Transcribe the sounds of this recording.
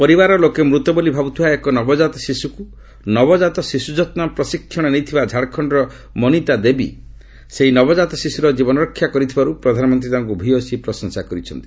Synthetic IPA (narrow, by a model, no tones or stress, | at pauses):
pɔɾibaɾɔlokemɾut̪ɔbolibʱabut̪ʰibaekɔnɔbɔd͡ʒat̪ɔsisuku | nɔbɔd͡ʒat̪ɔsisud͡ʒɔt̪napɾɔsikʰːjɔɽ̃ɔnejt̪ʰibad͡ʒʱaɽkʰɔɳɖɔɾɔ | mɔnit̪ad̪ebḭ | seɦinɔbɔd͡ʒat̪ɔsisuɾɔd͡ʒibɔnɔɾɔkʰːjakɔɾit̪ʰibaɾupɾɔd̪ʱanɔmɔnt̪ɾit̪aɔŋkubʱiosipɾɔsɔŋsakɔɾit͡ʃʰɔ̰nt̪i̥